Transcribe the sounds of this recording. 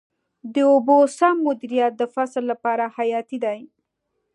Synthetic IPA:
d̪əobosamːʊd̪iɾijat̪̚d̪əfaslːapɑɾahajɑt̪id̪aj

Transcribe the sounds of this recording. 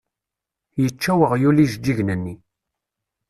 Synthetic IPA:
jət͡ʃːæwəʁjuliʒd͡ʒːiʝnənːi

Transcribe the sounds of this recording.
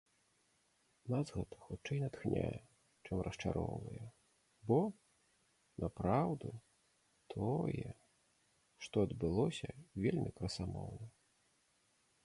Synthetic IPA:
nazɣɛt̪ɐ̥xut͡ʂːɛjnat̪xnʲa̰jɛ | t͡ʂɨmrʔɐst͡ʂaɾɔwnɨ̰jɛ | bɔ | nʔapɾawd̪u | t̪ʰɔjɛ | ʂt̪ɔɐd̪bɨlˠɔsʲɐvʲelʲmʲikɾɐsamɔwnɐ

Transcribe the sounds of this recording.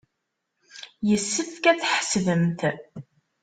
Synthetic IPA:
jəsːəfkæθħəsðəmθ

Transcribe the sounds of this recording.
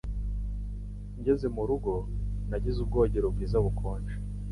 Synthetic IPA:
ɲɟe̞ze̞muɾuɡo̞naɟizub̚ɡo̞ːɟeɾob̚ɡiːzaβukʰoːnt͡ʃe̥

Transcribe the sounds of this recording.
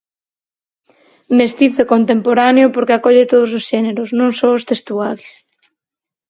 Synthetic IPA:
mest̪iθekont̪empoɾaneʊpoɾkɪakɔʎɪt̪oð̞ʊs̬osʃɛneɾʊsnõŋsoʊst̪est̪uaɾɪs

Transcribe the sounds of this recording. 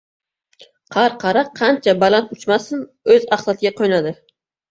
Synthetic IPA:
qʰɑɾqʰɑɾɑqqʰːɑnt͡ʃʰabɑlˠɑnt̪ut͡ʃmɑsɨn | øzɑχsɑt̪ʰɪɡʲɛqʰojnɑd̪ɪ

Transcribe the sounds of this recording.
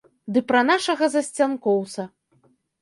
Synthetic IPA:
d̪ɨpɾɐnaʂɐɣɐzɐsʲt͡sʲankɔwt̪sɐ

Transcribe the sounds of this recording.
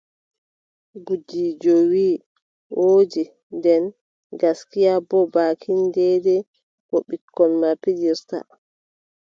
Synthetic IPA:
ɡud͡ʒid͡ʒɔwi | ʔoːd͡ʒi | ndɛn | ɡaskijabɔbaːkʰindɛdɛ | kɔɓikːɔnmapːidiɾta̰

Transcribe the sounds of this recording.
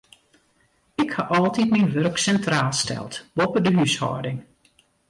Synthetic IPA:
ɪkhaʔɔlˠtitminʋørksɛntraːlˠstʰɛ̰lˠtbopədəɦyshɔ̰ːdɪŋ

